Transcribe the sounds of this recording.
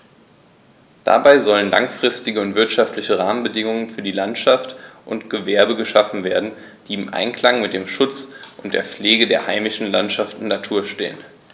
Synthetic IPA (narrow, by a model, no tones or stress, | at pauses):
d̥a̰baɪzɔlənla̰ŋfʁ̥ɪstɪɡəʊntv̥ɪɐtʃaftlɪçəʁaːmənbədɪŋʊŋənfyːɐdiːlantʃaftʔʊntɡ̥əvɛɐbəɡəʃafn̩veːɐdn̩ | d̥iːɪmʔa̰ɪnkl̥aŋmɪt̚d̥eːmʃʊt͡sʔʊnt̚d̥eːɐfp͡fleːɡədeːɐhaɪmɪʃn̩lantʃaftnnːatʰuːɐʃtḛːən